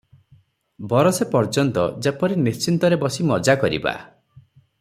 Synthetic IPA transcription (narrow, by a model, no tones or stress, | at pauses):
bɔɾɔsepɔɾd͡ʒɔnt̪ɔ̰d͡ʒepɔɾinist͡ʃint̪ɔɾebɔsimɔd͡ʒakɔɾḭba̰